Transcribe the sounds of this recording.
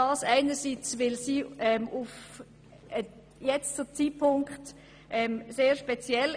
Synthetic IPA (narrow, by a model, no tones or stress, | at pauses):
ɑːsæɪnəsit͡svɪlsiːɛmʔuf | ə | jɛt͡st͡sut͡siːpʰʊŋkχt | ʔɛmseːʃpɛt͡sjɛl